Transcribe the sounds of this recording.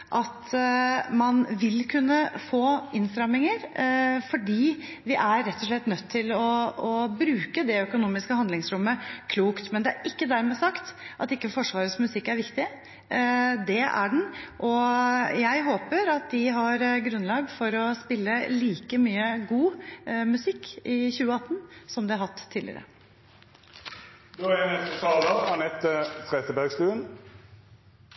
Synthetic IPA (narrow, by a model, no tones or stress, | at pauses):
ʔɑt̪ | mɑnʋɪlkʰʉnːəfoːɪnst̪ɾɑmɪŋəɾfɔɖiː | ʋɪʔæɾɾɛt̪ːɔʂlɛt̪ːnœt̪ʰːɪlɔɔbɾʉːkəd̪ɛœkʊnuːmɪskəhɑnd̪lɪŋsɾʊmːəkʰluːkt̪mɛnd̪ɛæɾʔɪkːəd̪æɾmɛsɑkt̪ʔɑt̪ɪkːəfɔʂʋɑːɾəsmʉsɪkːæɾʋɪkt̪ɪ | d̪ɛæ̰ɖn̩ʔɔjæɪɦoːpəɾɑt̪̚d̪ɪɦɑɾɡɾʉnlɑːɡfɔɾɔspɪlːəliːkəmyːəɡuːmʉsɪkːɪçʉːəɑt̪ːənsɔmd̪ɛɑɾhɑt̪ʰːiːd̪lɪ̰ə̰ɾə̰ | d̪oːɛnɛst̪ət̪ʰɑːləɑnɛt̪ːət̪ʰʁesəbæʁɡsk̪ʉːən